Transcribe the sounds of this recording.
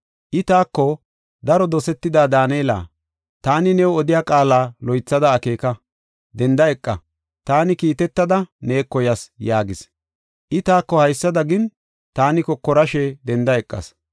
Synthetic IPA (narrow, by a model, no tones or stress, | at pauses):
ʔɪt̪aːkːɔ | d̪ɐɾɔd̪ɔsɛt̪ːɪd̪aːd̪aːneːla̰ː | t̪aːnɪnɛwɔd̪ɪjaːkʼaːlaːlɔjt͡sːɐd̪ɐːke̞ːkɐ | d̪ɛnd̪ɐɛkʼːɐ | t̪aːnɪkiːt̪ɛt̪ːɐd̪ɐneːkːɔjɐsjaːɡɪs | ʔɪt̪aːkːɔhɐjsːɐd̪ɐɡɪn | t̪aːnɪkɔkːɔɾɐʃɛd̪ɛnd̪ɐɛkʼːɐ̰s